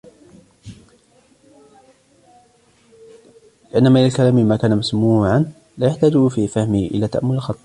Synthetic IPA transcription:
lɪʔanːamaʔɪnlalkalaːmmaːkaːnamasmuːʕan | laːjaħt̪aːd͡ʒufifahmɪhʔɪ̰laːt̪a̰ʔamːʊlɪlxɑt̪ˤɑ

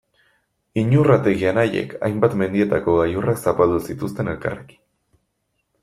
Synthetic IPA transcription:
iɲurat̪e̞ɣianaje̞̰kʰa̰jmbat̪me̞nd̪ie̞t̪ako̞ɣajuraksapald̪usit̪ust̪e̞ne̞lka̰reki̥

